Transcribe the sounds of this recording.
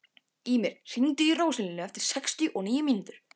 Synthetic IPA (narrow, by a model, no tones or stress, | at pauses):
iːmɪɾsint̪iiroːwsɪlɪnʏɛft̪ɪɾ̥sɛkst̪jʏʔɔniːjʏmint̪ʏɾ̥